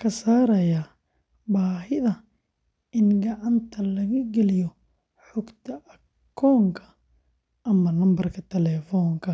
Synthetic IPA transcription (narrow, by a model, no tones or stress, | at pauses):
kʰɐsaːɾɐja | baːɦɪðɐ | ɪnɡɐʕɑnt̪ʰɐlɐɣɐɡɛlɪjɔ | ħʊɡt̪ʰɐʔɐ | kʰɔːŋkʰɐ̥ | ʔɐmɐnɐmbɐrkʰɐt̪ʰɛlɛːfɔːŋkʰɐ